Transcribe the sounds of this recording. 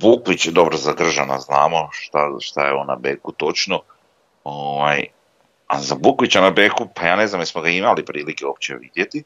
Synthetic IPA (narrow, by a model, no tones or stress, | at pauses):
bukʋit͡ɕd̪o̞bɾozaɡr̩ʒana̰znaːmo̞ʃt̪aʃt̪ajeonːa̰beːkut̪o̞t͡ʃno | oːʋaj | a̰zabukʋit͡ɕanabeːkupajaːne̞zamjesmoɡaimalipɾiːlike̞op̚t͡ɕḛʋid̪jet̪i